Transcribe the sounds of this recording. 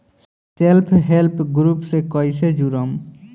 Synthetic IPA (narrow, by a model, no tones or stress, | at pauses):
selpʰɦelpʰɡɾupsekɔjsed͡ʑuɾom